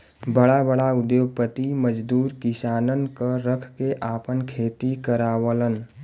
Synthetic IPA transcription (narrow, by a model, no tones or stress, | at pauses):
bəɽabəɽaʊd̪joːɡ̚pət̪iməd͡ʒd̪uːɾkɪsaːnənkəɾəkʰkeʔaːpənkʰeːt̪ikəɾaːwələn